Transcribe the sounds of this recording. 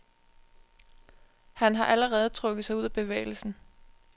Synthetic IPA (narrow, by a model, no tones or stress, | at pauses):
hænɦɑ̈ʔæləʁɛːð̞̩ˠt͡sʰʁɔ̽ɡ̥ð̩ˠsɑ̈ɪuð̞̰ˠæb̥e̝ʋḛːɪl̩sn̩